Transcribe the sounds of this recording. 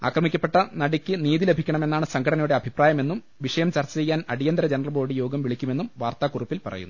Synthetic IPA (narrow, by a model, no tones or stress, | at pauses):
a̰ːkrɐmikʲːɐpːe̞ʈːɐnɐɽikʲːɨniːðile̞bʱikʲːɐɳɐme̞nːaːɳɨsɐŋkʰɐɽɐnɐjuɽeɐbʱipraːjɐme̞nːum | ʋiʂɐjɐmt͡ɕɐrt͡ɕːɐt͡ɕe̞jːaːnɐɽijɐnd̪ɾɐd͡ʑenɐrɐrlbo̞ːɽɖijo̞ːɡɐmʋiɭikʲːume̞nːumʋaːrt̪aːkurupːilpɐ̰rɐ̰junːu